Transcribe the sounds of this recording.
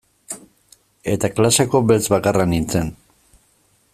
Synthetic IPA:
e̞t̪aklasako̞belt͡sβakaranint͡se̞n

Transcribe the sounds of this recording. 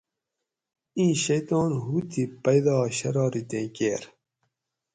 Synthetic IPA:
ĩːɕɐjt̪oːnɦuːt̪ʰipɐjd̪ɑːɕɐɾɑːɾit̪ẽːkeːɾ

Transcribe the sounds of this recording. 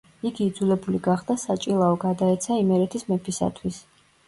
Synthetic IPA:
iɡiːd̪zulɛbuliɡaχd̪asat͡ʃʼilˠaɔɡad̪aɛt̪sʰaimɛɾɛt̪ʰismɛpʰisa̰t̪ʰwis

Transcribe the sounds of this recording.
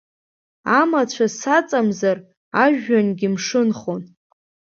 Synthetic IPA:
amat͡ɕʷʰasat͡sʼamzar | aʒᶣːanɡʲimʂɨnχon

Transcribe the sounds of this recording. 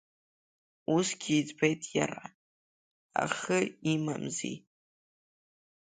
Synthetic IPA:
usɡʲiːd͡zbejtʼjarʔa | a̰χɨima̰mzḭ

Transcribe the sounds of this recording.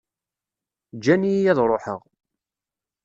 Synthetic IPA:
d͡ʒːænijæðɾˤoħəʁ

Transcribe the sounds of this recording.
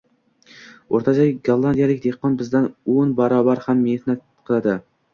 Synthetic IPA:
oɾt̪ʰat͡ʃʰaɡolˠand̪ijalɪkʲd̪ehqɒnbɪzd̪anonbaɾɒbaɾhamːehhnat̪ | qʰɨlˠad̪ɪ

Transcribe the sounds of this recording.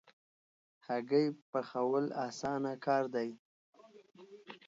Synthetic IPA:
haɡəjpəxawəlɑ̰sɑnakɑɾd̪aj

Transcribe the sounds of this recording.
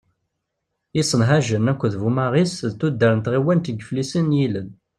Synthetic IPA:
isˤənɦæʒənækʷːðvumaʁisðt̪ːud̪ːəɾənt̪ʁiwænt̪əɡflisənjilən

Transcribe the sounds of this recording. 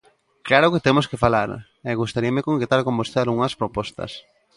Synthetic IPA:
klaɾʊket̪emoskefalaɾ | ɛɣust̪aɾiɐmekoŋket̪alkombosθealɣuŋɐspɾopɔst̪ɐ̰s

